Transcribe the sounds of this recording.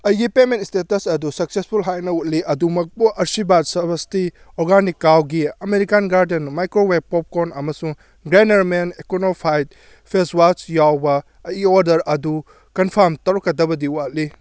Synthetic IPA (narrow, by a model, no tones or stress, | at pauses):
ɐjɡipemẽntistetɐsɐdusɐk̚sespʰulɦajnɐut̚liʔɐdumɐk̚buʔɐɾsibat̚sɐbɐsti | oɾɡanikːawɡiɐmeɾikanɡaɾdenmajkɾowep̚pop̚konɐmɐsuŋ | ɡɾeneɾmenekonopʰajt̚ | pʰeswat͡ʃjawbɐː | jioɾdɐɾɐdu | kɐnpʰɐɾmtɐwɾɐkːɐdɐbɐdiwat̚li